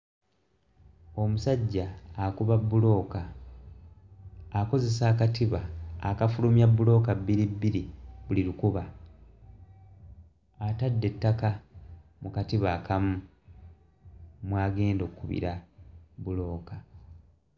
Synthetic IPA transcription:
o̞musaɟːaːkuβabːulo̞ːka | ko̞ze̞saːkatiβa̰ːkafulumjabːulo̞ːkabːiɾibːiɾiβuliɾukuβa | tadːe̞tːaka | mukatiβaːkamu | mwaːɡe̞ːndo̞kːuβḭɾabulo̞ːka

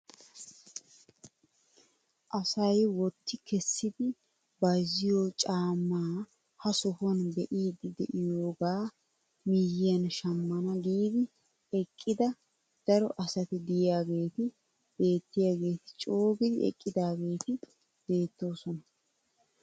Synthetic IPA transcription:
ʔɐsɐjwɔt̪ːɪkʰɛsːɪd̪ɪ | bɐjzɪjoːt͡ʃʼaːmːaː | hɐsʊhɔnbɛʔiːd̪ɪd̪ɛ̰ʔɪjoːɡaː | mɪjɪjɐnʃɐmːɐnɐɡiːd̪ɪ | ɛkʼːɪd̪ɐ | d̪̥ɐɾɔʔɐsɐt̪ɪd̪ɪjɪjaːɡe̞ːt̪ɪ | b̥e̞ːt̪ːɪjaːɡe̞ːt̪ɪ̥t͡ʃʼo̞ːɡɪd̪ɪɛ̰kʼːɪd̪aːɡe̞ːt̪ɪ | b̥e̞ːt̪ːo̞ːsɔnɐ

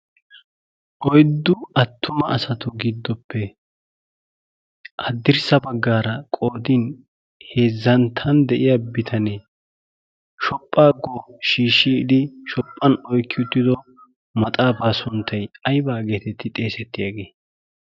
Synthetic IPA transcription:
ʔɔjd̪ːʊɐt̪ʰːʊmɐɐsɐt̪ʊɡɪd̪ːɔpːɛ | ʔɐd̪ːɪɾsɐbɐɡːaːɾɐkʼoːd̪iːn | he̞ːzːɐnt̪ʰːɐnd̪ɛʔɪjabɪt̪ʰɐne | ʃɔpʼːaːɡoːʃiːʃːiːd̪ɪʃɔpʼːɐnɔjkːɪʊt̪ːɪd̪ɔ | mɐt̪ʼaːpaːsʊnt̪ʰːɐjɐjbaːɡe̞ːt̪ɛt̪ːɪt̪ʼe̞ːsɛt̪ːɪjaɡe̞ː

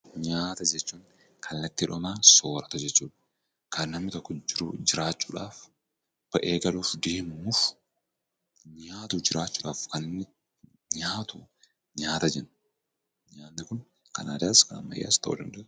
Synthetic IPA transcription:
ɲaːt̪ɐd͡ʒɛt͡ʃːuːŋ | kʰɐlːɐt̪ːɪᶑɔmaːso̞ːɾɐt̪ɐd͡ʒɛt͡ʃːuːᶑɐ̥ | kɐnːɐmnɪt̪ɔkːɔd͡ʒɪɾud͡ʒɪɾaːt͡ʃːuːᶑaːf | b̥ɐʔeːɡɐluːfd̪e̞ːmʊmuːf | ɲaːt̪ud͡ʒɪɾaːt͡ʃːuːᶑaːfkɐnɪnːɪ | ɲaːt̪u | ɲaːt̪ɐd͡ʒɛn | ɲaːnnɪkʊn | kɐnaːd̪aːskɐnɐ̰mːɐ̰jːa̰ːst̪ɐʔṵːd̪ɐ̰nd̪ɐʔʊ

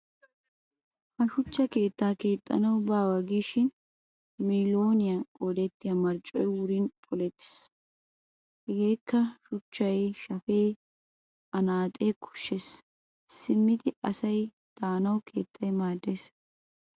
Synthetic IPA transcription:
hɐʃʊt͡ʃːɐke̞ːt̪ːaːke̞ːt̪ʼːɐ̰nɐwbaːwɐɡiːʃɪn | milo̞ːnɪjɐʔɔd̪ɛt̪ːɪjɐmɐɾt͡ʃʼɔjwʊɾinpʼɔlɛt̪ːɪ̥s | ʔɪɡeːkːɐʃʊt͡ʃːɐjʃɐfeː | ɐnaːt̪ʼeːkʰʊ̥ʃːes | sɪmːɪd̪ɪɐsɐj | d̪̥aːnɐwkʰe̞̰ːt̪ʰːɐjmaːd̪ːes

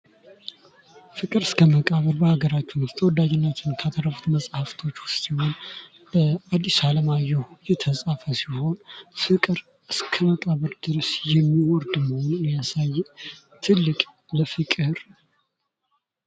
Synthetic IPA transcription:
fɨkʼɨɾɨskʰəməkʼaβəɾbəhaɡəɾat͡ʃːɪnɨst̪ʰəwɔd̪ːad͡ʒɪnːət̪ʰɨnkʰat̪ʰəɾəft̪məsʼhaft̪ʰo̞t͡ʃːwʊst̪iho̞n | bəad̪ːisaləmajɛhjɛt̪ʰəsʼafəsiho̞nfɨkʼɨɾ | ɨskʰəməkʼaβəɾd̪ɨɾəsjɛmːiwɔɾd̪məho̞nunijasajːɛ | t̪ʰɨlːɨkʼ | ləfɨkʼɨɾ

